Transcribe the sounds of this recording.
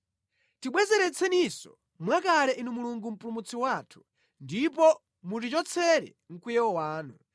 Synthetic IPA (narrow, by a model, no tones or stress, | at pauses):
tiɓwɛzɛɾɛt͡sʰɛnisɔ | mwakalɛʔinumuluŋɡum̩pulumut͡sʰiwaːtʰu̥ | ndipɔ | mut̬it͡ʃɔt͡sʰɛɾɛ̰ | ŋ̩kujɛwɔwaːnu